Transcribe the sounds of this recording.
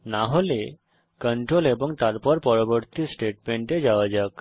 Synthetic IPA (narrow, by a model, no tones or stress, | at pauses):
naɦole | kəɳʈɾolebɔŋt̪aɾpɔɾpɔɾɔbɔɾt̪isʈeʈmeɳʈed͡ʒaʋad͡ʒək